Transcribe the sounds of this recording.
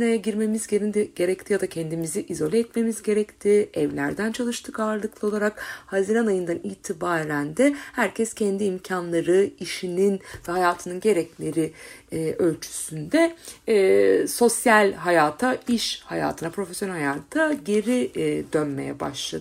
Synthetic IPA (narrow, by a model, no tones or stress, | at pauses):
nejɛɟiɾme̞mizɟe̞ɾind̪ɛɟe̞ɾɛc̚t̪ʰijad̪acʰɛnd̪imiziʔizo̞lʲɛɛt̪me̞mizɟe̞ɾɛct̪ʰɪɛvlʲæɾd̪ænt͡ʃʰalˠɯʃt̪ʰɯkaɾlˠɯklˠɯo̞lˠaɾakhaziɾanajɯnd̪aniːt̪ʰibaːɾænd̪ɛhæɾcʰɛscʰɛnd̪iːmcʰanlˠaɾɯiʃininvɛɦajaːt̪ʰɯnɯnɟe̞ɾɛclʲe̞ɾiːʔø̞lʲt͡ʃʰy̥synd̪ɛ | so̞sjalʲɦajaːt̪ʰaiʃhaja̰ːt̪ʰɯnapʰɾo̞fɛsjonɛlhajaːt̪ʰaɟe̞ɾid̪ø̞nme̞jɛ̰ba̰ʃlˠa̰d̪